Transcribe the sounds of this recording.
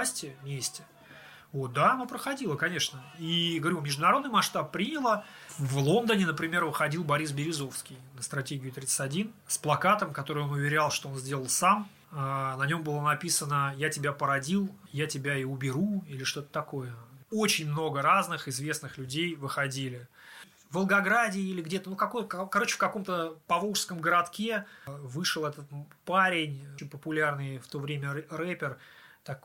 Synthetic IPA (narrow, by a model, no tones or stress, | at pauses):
sʲtʲɪmʲesʲtʲɪ | vo̞t̪̚d̪aɐnapɾəxɐdʲilˠəkɐnʲe̞ʂnəiɡəvɐɾʲumʲɪʐd̪ʊnɐɾo̞d̪nɪjmɐʂt̪apːɾʲinʲɪlˠəvlˠo̞nd̪ənʲɪnəpɾʲɪmʲe̞rvɨxɐdʲilˠbɐɾʲisbʲɪɾʲɪzo̞fskʲijnəst̪ɾɐtʲeɡʲɪʊt̪ɾʲit̪sɨ̥tʲɐdʲin | splˠɐkat̪əmkɐt̪o̞ɾɨjo̞nʊvʲɪɾʲalˠʂt̪oo̞nzʲdʲe̞lˠəlˠsam | nɐnʲo̞mbɨlˠənɐpʲisənəjatʲɪbʲapəɾɐdʲilˠjatʲɪbʲaiʊbʲɪɾuilʲɪʂt̪o̞t̪ə̥t̪ɐko̞jəot͡ɕɪnʲmno̞ɡəɾaznɨxɪzvʲe̞snɨxlʲʉdʲejvɨxɐdʲilʲɪ | vəlˠɡɐɡɾadʲɪːilʲɪɡdʲe̞t̪ənukɐkojkkɐɾo̞t͡ɕːɪ̥fkɐko̞mt̪əpɐvoʂskəmɡəɾɐt̪kʲe̞vɨʂɨlˠɛt̪ət̪ | paɾʲɪnʲnʲpəpʊlʲarnɨjft̪o̞vɾʲemʲərɛpʲɪrt̪ak